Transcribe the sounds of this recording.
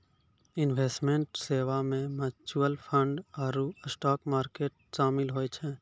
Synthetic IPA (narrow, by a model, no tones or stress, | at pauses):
ɪnʋeːsʈmẽɳʈseːʋamẽmət͡ʃuəlpʰə̃ɳɖaːɾusʈɔːkmaːɾkeːʈ̚ʃaːmɪlɦoːet͡ʃʰɛ̃ː